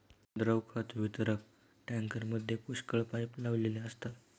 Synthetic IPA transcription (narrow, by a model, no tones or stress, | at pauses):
d̪ɾəwkʰat̪ʋit̪əɾək̚ | ʈãŋkəɾməd̪ʱːjepuʂkəɭpajplaʋleleəst̪a